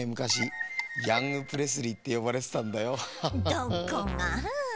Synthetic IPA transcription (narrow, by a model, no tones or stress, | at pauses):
emɯ̟kaɕijãŋɡɯpɯ̟ɾe̞s̬ɨɾʲit̪ːe̞jo̞baɾe̞t̪se̥t̪ãnd̪ajo̞d̪okoŋa